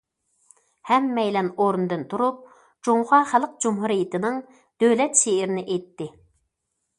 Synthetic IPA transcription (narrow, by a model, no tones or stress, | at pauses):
hɛmːɛjlɛnoɾnɨd̪ɨnt̪ʰuɾup̚ | d͡ʒoŋʁɑχælˠəq̚d͡ʒumɦuɾijit̪ɪnɨŋ | d̪̥øwlɛt̪ʃeɪɾɪnɪʔejt̪ːɪ